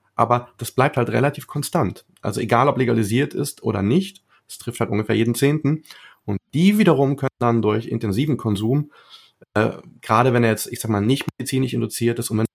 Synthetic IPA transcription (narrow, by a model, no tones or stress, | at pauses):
ʔa̰ːbɐd̥asb̥laɪpthaltʁḛlatʰiːfkʰɔnstantʔa̰lzoeɡaːlɔpleɡaliziːɐtɪ̰stʔo̰ːɾɐ̰nɪçt | d̥astʁ̥ɪfthaltʔʊnŋɡəfːɐjeːdn̩t͡seːntn̩ʔʊnt̚d̥iːviːdɐʁ̞ʊmkʰœnəndandʊɐçɪ̰ntɛnziːvn̩kʰɔnzuːm | ʔɛ̰ɡ̥ʁaːɾəvɛnɛːɐjɛt͡stʔɪçzaːɡəmaːlnɪçtmedit͡siːnɪʃʔɪ̰ndʊt͡siːɐtɪstʊntvɛn